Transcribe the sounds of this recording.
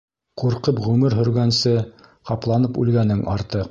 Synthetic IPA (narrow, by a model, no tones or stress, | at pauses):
quɾqɤpʁʉmɘɾɦɵ̆ɾɡænsɘqɑplˠɑnɤpʉ̰lɡænɘŋʔɑɾt̪ɤ